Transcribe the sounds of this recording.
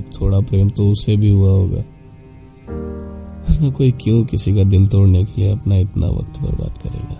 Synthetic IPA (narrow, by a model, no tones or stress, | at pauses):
kt̪ʰoːɽapɾeːmt̪oʊsebʱiɦʊaɦoːɡa̰ː | ɔɾnakoːikjõkɪsikad̪ɪnt̪oːɽnekelieɐpnaɪt̪na̰ʋɐ̰kt̪pɐ̰ɾba̰ːd̪kɐɾḛːɡaː